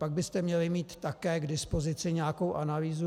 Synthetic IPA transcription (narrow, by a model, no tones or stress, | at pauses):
paɡ̚bɪst̪ɛmɲɛlɪmiːt̪ːakɛːɡdɪspo̞zɪt͡sɪɲɛako̞wʔanaliːzu